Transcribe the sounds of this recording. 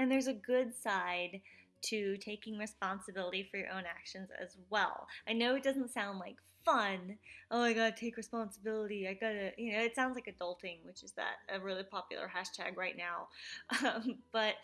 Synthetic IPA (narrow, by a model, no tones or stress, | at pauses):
ɨ̃nðə˞zɨɡʊdsaɪd̚tʰɨtʰeɪkɪ̃ŋɹɨspɑ̃nsɨbɪlˠəɾifə˞jə̰ʔõ̰ʊ̃nækʃɨ̃nzɨ̰zwɛ̰lˠʔaɪnoʊɨt̚d̥ʌzə̃n̩tsãʊ̃ndˡlaɪkfʌ̃nʔoʊaɪɡɑd̚tʰeɪkɹɨspɑ̃nsəbɪlˠəɾiaɪɡɑɾɨjɨnoʊɨtsãʊ̃ndzlaɪkɨdʌlˠtɪ̃ŋwɨt͡ʃɨzðɨ̰ɾɨɹɪlˠipʰɑpjl̩ˠə̰˞hæʃtʰæ̰ɡɹaɪtⁿnaʊʔʌ̃mb̥ʌt̚